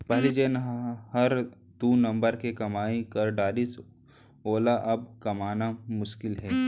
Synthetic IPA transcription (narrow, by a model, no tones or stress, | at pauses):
pɐɦlid͡ʒeːnɦhɐɾ | d̪unɐ̃mbəɾkekɐmaːikɐɾɖaːɾis | oːlaʔɐb̚kɐmaːnamʊʃkɪlɦɛː